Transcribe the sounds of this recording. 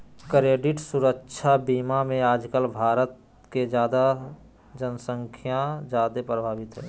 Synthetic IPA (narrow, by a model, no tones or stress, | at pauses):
kɾeːɖɪʈsuɾəkʃʰabiːmamẽaːd͡ʒkəlbʱaːɾət̪ | ked͡ʒjaːd̪a | d͡ʒənsə̃ŋkʰjad͡ʒjaːd̪epɾəbʱaːbɪt̪ɦɛː